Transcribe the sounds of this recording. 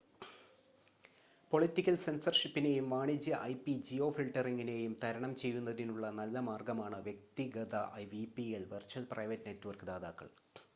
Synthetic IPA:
po̞ɭitːikʲːɐlse̞nsɐrʂipːine̞jumʋaːɳid͡ʑjɐʔɐjpid͡ʑio̞ːfilʈɐriŋɡine̞jumt̪ʰɐɾɐɳɐmt͡ɕe̞jːunːɐðinuɭːɐnɐlːɐmaːrɡɐmaːɳɨʋjek̚t̪iɣɐðɐʔɐjʋipːielʋɐrt͡ɕɐlprʔɐjʋɐtːɨne̞tːuʋɐrkɨd̪aːðaːkːɐ̰ɭ

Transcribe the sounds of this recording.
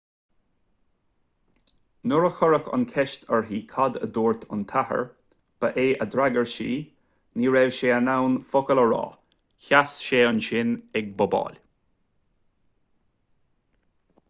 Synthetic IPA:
nʊɹəxʊɹəkə̰nkʰɛʃt̪ʰəɹɦiːkʰɔd̪ə̰d̪uːɹt̪ʰʊ̰nt̪ʰahə̰ɹ | b̥əʔeːʔəd̪ɾaɡəɹʃḭː | niːɹɛwʃeːənawnfʊkələɹɑ̰ː | çasʃeːənʃɪnɛɡ̚bʊbɑ̰ːlʲ

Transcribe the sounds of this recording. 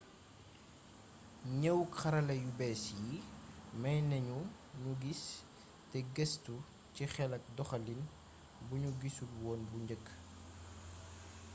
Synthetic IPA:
ɲəwxɐɾɐlɐjubɛːsjimɐjnɐɲu | ɲuɡis | tɛɡɛstu | cixɛlɐk̚dɔxɐlin | buɲuɡisulwɔːnbuɲɟəkː

